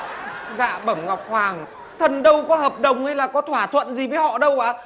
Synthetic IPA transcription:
za̰ː˧˨ɓə˧˩mŋa˨˩wk͡p̚hwaː˨˩ŋ | t̪ʰə˨˩nɗə˧wkɔ˨˦həː˨˩p̚ɗə˨˩wŋ͡mha˧jlaː˨˩kɔ˨˦t̪ʰwaː˧˩t̪ʰwə̰˧˨nzi˨˩vəː˨˦jhɔ̰˧˨ɗə˧wʔaː˧˩

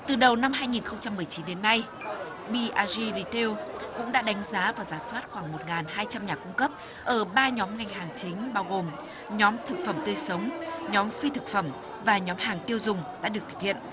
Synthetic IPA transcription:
t̪ɨ˨˩ɗə˨˩wna˧mɦaː˧jŋi˨˩nxə˧wŋ͡mt͡ɕa˧mːɨ˨˩əjt͡ɕi˨˦nɗe˨˦nːa˧j | ɓi˧ʔaː˧zi˧li˧t̪e˧wkʊ̰˧˥ŋ͡mɗa̰ː˧˥ɗa˨˦jŋ̟zaː˨˦vaː˨˩wzaː˨˦swaː˦˥t̚xwaː˧˩ŋmo˨˩t̚ŋaː˨˩nɦaː˧jt͡ɕa˧mɲaː˨˩kʊ˧ŋ͡mkə˦˥p̚ | ʔəː˧˩ɓaː˧ɲɔ˨˦mŋa˧jŋɦaː˨˩ŋt͡ɕï˨˦ŋ̟ɓaː˧wɣo˨˩m | ɲɔ˨˦mt̪ʰɨ˨˩k̚fə˧˩mt̪əː˧jsə˨˦wŋ͡mɲɔ˨˦mfi˧t̪ʰɨ˨˩k̚fə˧˩m | vaː˨˩ɲɔ˨˦mhaː˨˩ŋt̪i˧əwzʊ˨˩ŋ͡mɗa̰ː˧˥ɗɨ˨˩ək̚t̪ʰɨ̥˨˧k̚hḭ˧˨ə˨n

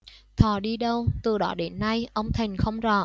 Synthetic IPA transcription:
t̪ʰɔ˨˩ɗi˧ɗə˧wt̪ɨ˨˩ɗɔ˨˦ɗe˨˦nːa˧jʔə˧wŋ͡mt̪ʰi˨˩ŋ̟xə˧wŋ͡mzɔ˧˩

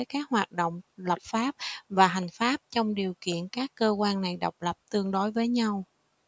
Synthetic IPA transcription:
jkaː˦˥k̚hwaː˨˩t̚ɗo̰˧˨wŋ͡mlə˨˩p̚faː˦˥p̚vaː˨˩ɦa˨˩jŋ̟faː˦˥p̚t͡ɕɔ˧wŋ͡mɗi˨˩əwkḭ˧˨ənkaː˦˥kːəː˧kwaː˧nːa˨˩jɗɔ˨˩wk͡p̚lə˨˩p̚t̪ɨ˧əŋɗo˨˦jvəː˨˦jɲa˧w

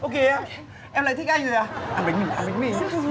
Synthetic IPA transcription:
ʔo˨˧ke˧a˧ | ʔɛ˧mla̰ː˧˨˩t̪ʰk̚ʔa˧ŋɨ˨˩aː˧ʔaː˧mɓa˨˦ŋ̟mi˨˩ʔaː˧ɓa˨˦ŋ̟mi˨˩˧

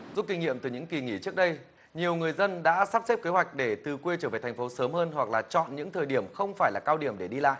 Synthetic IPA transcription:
zu˦˥p̚ki˧ŋ̟ŋḭ˧˨əmt̪ɨ˨˩ɲɨ̰˧˥ŋki˨˩ŋḭ˧˩t͡ɕɨ˦˥ək̚ɗə˧j | ɲi˨˩əwŋɨ˨˩əjzə˧nɗa̰ː˧˥saː˦˥p̚se˦˥p̚ke˨˦ɦwa˨˩jk̟̚ɗe˧˩t̪ɨ˨˩kwe˧t͡ɕəː˧˩ve˨˩t̪ʰŋ̟fo˨˦səː˨˦mhəː˧nɦwa˨˩k̚laː˨˩t͡ɕɔ̰˧˨nɲɨ̰˧˥ŋt̪ʰəː˨˩jɗi˧˩əmxə˧wŋ͡mfaː˧˩jlaː˨˩kaː˧wɗi˧˩əmɗe˧˩ɗi˧la̰ː˧˨ʔ

